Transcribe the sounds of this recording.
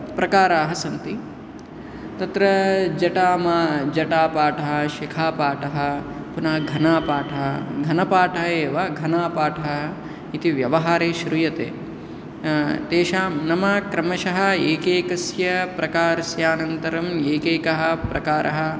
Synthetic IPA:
pɾɐkaːɾaːɦɐsɐnt̪i | t̪ɐt̪ɾɐd͡ʒɐʈaːmaːd͡ʒɐʈaːpaːʈʰɐɦɐ̆ʃikʰaːpaːʈɐɦɐ̆ | punɐɐɡʱɐnaːpaːʈʰɐɦɐɡʱɐnɐpaːʈʰɐeːʋɐɡʱɐnaːpaːʈʰɐɦɐ | it̪iʋjɐʋɐɦaːɾeːʃɾujɐt̪ḛː | t̪eːʃaːmnɐmɐkɾɐmɐʃɐɦɐ̆eːkeːkɐsjɐpɾɐkaːɾɐsjaːnɐnt̪ɐɾɐmeːkeːkɐɦɐ̆pɾɐkaːɾʔɐɦɐ̆

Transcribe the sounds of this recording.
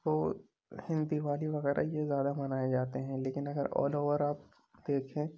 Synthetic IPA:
ʋoː | hɪ̃nd̪iʋaːliʋɐɣɛːɾʔa̰jezjaːd̪amɐnaːed͡ʒaːt̪eɦɛ̃leːkɪnɐɡəɾɔ̰ːloːʋəɾaːp̚ | d̪̥eːkʰẽː

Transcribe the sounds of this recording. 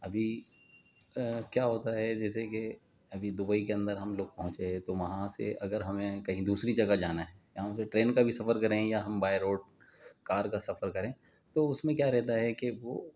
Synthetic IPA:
ɐbʱi | kjaːɦoːt̪aɦɛd͡ʒɛːs̬eke | ɐbʱid̪ʊbəikeɐ̃nd̪əɾɦɐmloːɡ̚pɐɦʊ̃nt͡ʃeɛ̃t̪oʋɐɦãsḛʔɐɡəɾɦɐmẽkɐɦĩd̪uːsɾid͡ʒɐɡad͡ʒaːnaɦɛjɐɦãseʈɾeːnkabʱisɐfəɾkɐɾẽjaɦɐmbaːjəɾoːɖ̚ | kaːɾkasɐfəɾkɐɾẽː | t̪oʊsmẽkjaːɾɛɦt̪aɦɛkeʋoː

